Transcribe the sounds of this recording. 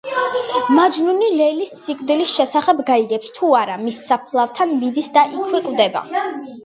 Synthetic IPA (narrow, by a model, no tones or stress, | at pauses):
mad͡ʒnunilɛlisːikʼvd̪ilisʃɛsaχɛbɡaiɡɛpst̪ʰuaɾamisːapʰlˠaft̪ʰanmid̪isd̪aʔikʰwɛkʼvd̪ɛba̰